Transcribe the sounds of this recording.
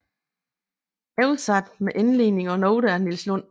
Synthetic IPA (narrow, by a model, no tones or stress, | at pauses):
ɛʊlsɑd̥meʔenle̝̰ːne̝ŋɒ̽nɔʊɾəæɐnilslɔn̰